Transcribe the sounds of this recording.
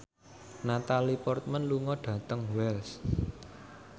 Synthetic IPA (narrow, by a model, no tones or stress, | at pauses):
nat̪alipɔrt̪̚mənluŋɔɖ̥ä̤t̪əŋwɛls